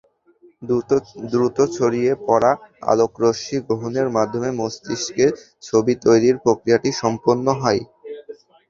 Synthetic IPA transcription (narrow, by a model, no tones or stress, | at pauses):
d̪ɾut̪ot͡ɕʰoɾiepɔɾaa̰lokɾoʃiɡɾoɦoneɾmad̪ʱːomemost̪iʃke | t͡ɕʰobit̪ojɾiɾpɾokɾijaʈiʃɔmponːoɦɔj